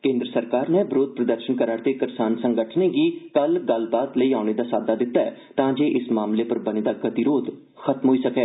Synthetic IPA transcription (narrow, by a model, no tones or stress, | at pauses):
kẽːnd̪ɾəsəɾkaːɾneːbɾoːd̪̚pɾəd̪əɾʃənkəɾaːɽt̪eːkɪɾsaːnsəŋɡəʈʰnẽːɡiːkəlɡəlbaːt̪ləiːaːʊneːd̪aːsaːd̪aːd̪ɪt̪ːaːɛːt̪ãːd͡ʒeːʔɪsmaːmleːpəɾbəneːd̪aːɡət̪iːɾoːd̪ | xʰət̪mɦoːiːsəkɛː